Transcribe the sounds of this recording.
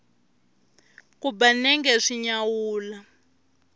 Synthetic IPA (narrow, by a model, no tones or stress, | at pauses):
kubanɛŋɡɛʂiɲawuːla